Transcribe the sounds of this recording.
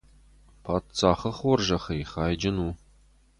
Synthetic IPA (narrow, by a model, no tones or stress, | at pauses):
pʰaːtt͡saːχəχɔrʒɐχɐjχɑːjd͡ʒɐnuː